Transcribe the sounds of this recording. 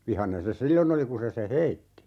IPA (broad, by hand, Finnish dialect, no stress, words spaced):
ʋihɑnen se silːon oli ku se se heitːi